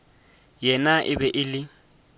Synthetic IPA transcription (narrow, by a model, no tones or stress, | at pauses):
jɛnaʔɪ̰bɛʔɪlɪ